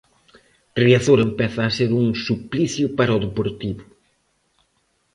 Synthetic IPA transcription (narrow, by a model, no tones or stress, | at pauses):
riaθoɾempɛθaːseɾũŋsupliθjupaɾɐɔðepoɾt̪iβʊ